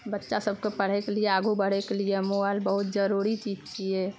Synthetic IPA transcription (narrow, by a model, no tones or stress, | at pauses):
bətːʃasəb̚ʱkepəɽ̤ekelieaːɡʱubəɽ̤ekeliemoaːlbəɦʊt̪̚d͡ʒəɾuɾit͡ʃiːd͡ʒt͡ʃie